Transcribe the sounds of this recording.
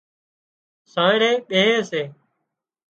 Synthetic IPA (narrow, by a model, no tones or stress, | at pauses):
saːeːɾeːɓeːɦeːseː